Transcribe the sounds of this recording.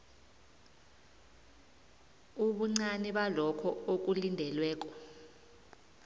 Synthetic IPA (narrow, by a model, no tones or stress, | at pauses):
uɓuŋ͡ǀaniɓalɔkʰɔok̬ulindʱɛlwɛːk̬ɔ̥